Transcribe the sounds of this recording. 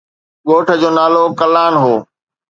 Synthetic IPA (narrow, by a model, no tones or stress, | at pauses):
ɠoːʈʰəd͡ʑoːnaːlokəlaːɳɦoː